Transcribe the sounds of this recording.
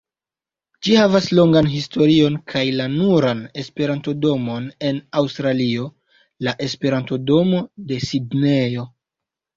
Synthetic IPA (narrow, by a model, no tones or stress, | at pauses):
d͡ʒihavaslo̞ŋɡanɦisto̞ɾio̞nkʰajlanuɾane̞spe̞ɾanto̞do̞mo̞ne̞nawstɾalio̞ | laʔe̞spe̞ɾanto̞do̞mo̞de̞sidne̞o̞